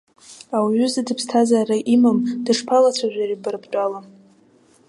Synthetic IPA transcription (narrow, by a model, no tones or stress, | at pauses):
awɥʏzadɨpʰstʰazaɾaʔimamdɨʂpʰalat͡sʷʰaʒʷaribɨrbt͡pʼala